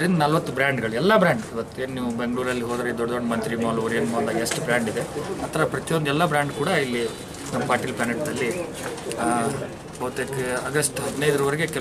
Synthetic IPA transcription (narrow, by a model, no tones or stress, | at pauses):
ɐɾind̪ɐnɐlʋɐt̪ːubɾaːɳɖɡɐɭuɛlːɐbɾaːɳɖiʋɐt̪ːueːnniːʋubeŋɡɐɭuːɾɐlːiɦoːd̪ɐɾed̪ɔɖɐd̪oɳɖmɐnt̪ɾimaːlːɾeːnmaːnd̪ɐɡesʈubɾaːɳɖid̪e̞ɐt̪ʰːɐɾɐpɾɐt̪ijond̪ɛlːɐbɾaːɳɖkuːɽɐilːi | nɐmpaːɾʈilpaːnɐʈd̪ɐlːi | ɐːt̪ːekɐɡɐsʈɦɐd̪inɐjd̪ɐɾɐʋɐɾeɡekɛ